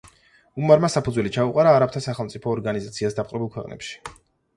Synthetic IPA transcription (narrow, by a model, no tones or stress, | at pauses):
umaɾmasapʰud̪zwɛlit͡ʃʰauqʼaɾaːɾap̚t̪ʰasaχɛlˠmt̪sʼipʰɔːɾɡanizat̪sʰiasd̪apqʼɾɛbilˠkʰwɛqʼnɛ̰pʃi̥